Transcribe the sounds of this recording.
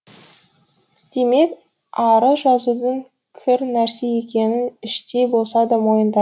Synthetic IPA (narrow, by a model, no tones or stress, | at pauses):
d̪̥e̞me̞k | ɑɾəʒɑzud̪əŋ | kʲʰɪɾnæɾse̞jekʲe̞nɪnɪʃt̪e̞bo̞lˠsɑd̪əmo̞jənd̪ɑ